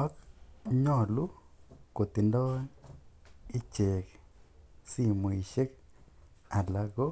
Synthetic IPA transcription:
ɔ˦kɲɔ˦˨lu˦ | ko˨t̪i˨ndɔ˦ | i˦t͡ʃe˨k | si˦˨mo˨i˨ʃe˦k | a˨la˦ɡo˦

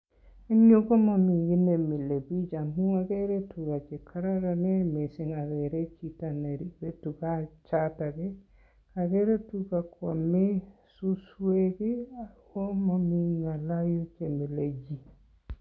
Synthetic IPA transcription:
i˦ɲu˦ɡo˦mo˨mi˨ɡi˦ne˨mi˨le˨bi˦d͡ʒa˨mua˨ɡe˦ɾe˦tuɡa˨t͡ʃe˨kʰa˦ɾa˦ɾane˦mi˨si˦ŋa˨ɡe˨ɾe˦t͡ʃi˨ta˨ne˨ɾi˦be˦tuɡat͡ʃata˨ɡe˦ | kaɡe˦ɾe˦tuɡa˨kʰo˨misusweɡi˦a | o˦mo˨miŋa˨la˦ju˦t͡ʃemi˨led͡ʒi

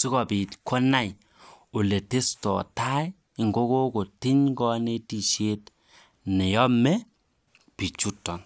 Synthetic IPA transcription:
si˦kɔ˨pi˨tkʰɔ˦na˦j | o˨le˨te˦stɔ˨ta˦j | ŋɡo˦ko˦ko˨tɪ˦ɲɡɔ˦ne˦ti˨ʃe˦t | nɛ˨jɔ˦mɛ˦ | pi˨t͡ʃu˦tːɔ˨n

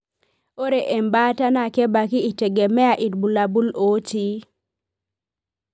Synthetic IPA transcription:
o˦ɾe˨ʔe˨mba˦ta˦na˦˨kɛ˦ba˨kɪ˦i˨te˨ɡe˨mɛ˦a˨ʔi˨dbu˨la˨bu˦lo˦ti˦

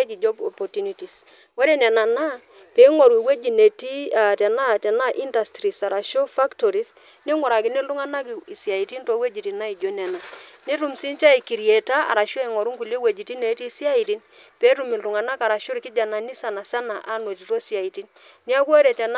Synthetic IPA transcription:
e˦d͡ʒi˨d͡ʒo˦po˨po˨tu˦ni˦ti˨s | wo˦ɾe˦nɛ˨na˨na˦ | pe˨i˦ŋo˨ɾi˨we˦d͡ʒi˨ne˨ti˦a˨tɛ˨na˦tɛ˨na˦ʔi˦nda˨stɾi˨sa˨ɾa˨ʃo˦fa˦kto˨ɾi˦s | ni˦ŋʊ˨ɾa˨kɪ˦ni˦lu˦ŋa˦na˦ki˨i˨si˨a˨i˨ti˦nto˨˦we˦d͡ʒi˨ti˨na˦i˨d͡ʒo˦nɛ˨na˨ni˦ɾu˨msi˦nt͡ʃa˦i˨ki˨ɾje˨ta˦a̰˨ɾa˨ʃo˦ɛ˨ŋɔ˨ɾu˦ŋku˨ljo˦we˨d͡ʒi˨ti˦ne˨˦ti˦si˦a˦i˨ti˦n | pe˨˦ɾu˨mi˨ltu˨ŋa˨na˦ka˨ɾa˨ʃo˦ɾi˨kɪ˦d͡ʒa˨na˨ni˦sa˨na˨sa˦na˨ʔa˦no˨ti˨to˦sja˨i˨ti˦n | ni˦a˦kwo˦ɾe˨tɛ˨n˦

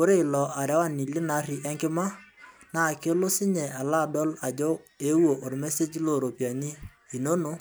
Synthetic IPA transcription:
o˦ɾe˦ɪ˨lɔ˨ʔa˨ɾɛ˨˦wa˦˨ni˨lɪ˦na˨˦ɾi˨ʔɛ˦ŋkɪ˦ma˦na˨ke˦lo˦sɪ˦ɲɛ˨a˨la˦˨dɔ˦la˨d͡ʒɔ˦e˨˦wo˨ʔo˨ɾmɛ˦se˦d͡ʒlo˦˨ɾo˨pja˨ni˦ | i˨no˦no˦

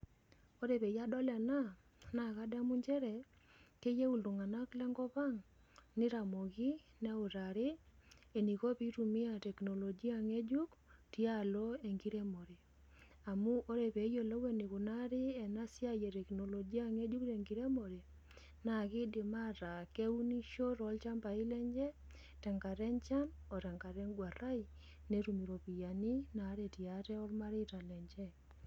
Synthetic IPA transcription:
o˦ɾe˨βe˨ja˦dɔ˦la˨na˦ | na˨ka˦da˦mu˦ɲd͡ʒɛ˦ɾɛ˨ | ke˦je˦u˨ldu˨ŋa˨na˦klɛ˦ŋɡɔ˦βa˦ŋ | nɪ˦ɾa˨mo˨ɣi˦ | na˦u˨ɾa˨ɾɪ˦e˨ni˨ɣo˦pi˦ɾu˨mɪ˦a˨tɛ˨kno˨lo˨d͡ʒi˦a˦˨ŋe˦d͡ʒu˦kti˦a˦˨lo˦e˨ŋɡi˦ɾe˦mo˨ɾe˨ | a˨mu˦ʔo˦ɾe˨pe˨˦jo˨lɔ˦we˦ni˨ku˨na˦ɾɪ˦ɛ˨na˦sɪ˦a˦je˨tɛ˨kno˨lo˨d͡ʒi˦a˦˨ŋe˦d͡ʒu˦kte˨ŋɡi˨˦ɾe˦mo˨ɾe˨ | na˨kɪ˦dɪ˨ma˦ɾa˨ke˦u˦ni˦ʃo˦ɾɔ˨˦lt͡ʃa˦mba˨ɪ˦lɛ˦ɲd͡ʒɛ˦ | tɛ˨ŋɡa˨ɾɛ˦nt͡ʃa˦n | ɔ˨tɛ˨ŋɡa˨ɾɛ˦nɡwa˨ɾa˦ɪ˦ | ne˦ɾu˨mi˨ɾo˨pi˨ja˨ni˦na˨˦ɾe˨ti˨a˨tɛ˦ɔ˦lma˦ɾɪ˦ta˨lɛ˨ɲd͡ʒɛ˦

